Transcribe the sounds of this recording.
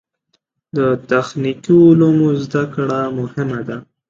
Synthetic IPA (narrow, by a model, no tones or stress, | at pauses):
d̪ət̪axnikiʊlumuzd̪akɽamʊhɪmad̪a